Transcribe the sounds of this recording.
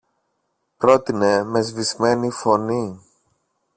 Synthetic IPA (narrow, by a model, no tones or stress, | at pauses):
pɾo̞t̪ine̞me̞zvizme̞nifo̞ni